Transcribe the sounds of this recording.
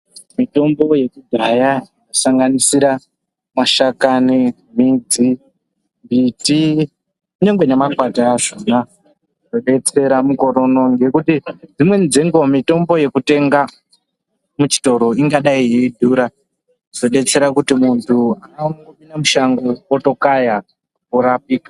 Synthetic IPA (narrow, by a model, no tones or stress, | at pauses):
mito̞mbo̞je̞kuɡʱajainosaŋɡanisiɾa | maʃakani | mid͡zi | mbiti | uɲeŋɡwenemakwataːʐona | zo̞ɗe̞t͡se̞ɾamuko̞ɾo̞no̞ŋɡe̞kutid͡zimwe̞nd͡ziŋɡomito̞mbo̞je̞kute̞ŋɡa | mut͡ʃi̥to̞ɾo̞iŋɡaɗaijeidʱuːɾa | z̥o̞ɗe̞t͡se̞ɾakutimuntʰuananaoɓinamuʃaŋɡooto̞kaja | kuɾapiːkḁ